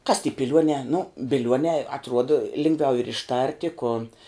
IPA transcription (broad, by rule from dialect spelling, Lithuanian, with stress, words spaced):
kɐs tʲiː pʲɪˈlʲuɔnʲɛː nʊ bʲɪˈlʲuɔnʲɛː ɐtˈruɔdɐ ˈlʲɪŋɡˌʋʲɛʊ ɪr ɪʃˈtɐrʲtʲɪ kʊ